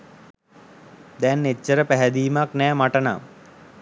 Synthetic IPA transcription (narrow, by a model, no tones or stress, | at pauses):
d̪ɛnːet͡ʃːəɾəpæɦæd̪iːmaknɛːmaʈəna̰